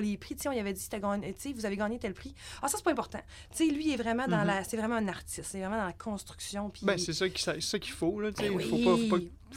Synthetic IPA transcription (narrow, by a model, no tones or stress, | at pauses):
lepʁiseɔ̃ilavɛd͡z̪isi̥t̪ɛɡɑːɲt͡sevuzaveɡɑːɲet̪ɛlpʁiɑsase̥pɔɛ̃pɔʁt̪ã̰ | t̪t͡selɥiɛvʁɛmãd̪ɑ̃lasɛvʁɛmãɛ̃naʁtt͡s̪ɪst̪ɛvʁɛmãd̪ɑ̃lakʰɔ̃st̪ʁyksjɔ̃pʰi̥bɛ̃ssɛsʌkʲi̥sasesʌkʲi̥folʌt͡sefopɔfopɔ